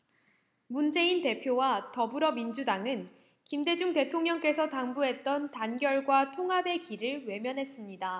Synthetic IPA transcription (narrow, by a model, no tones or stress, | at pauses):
mund͡ʑe̞inte̞pʰjowatʌbuɾʌmind͡ʑudaŋɯn | kimde̞d͡ʑuŋte̞tʰoŋɲʌŋk͈e̞sʰʌtaŋbuɦe̞t̚t͈ʌntanɡjʌɭɡwatʰoŋɦabe̞kiɾɯɭwe̞mjʌnɦe̞s͈ɯmɲida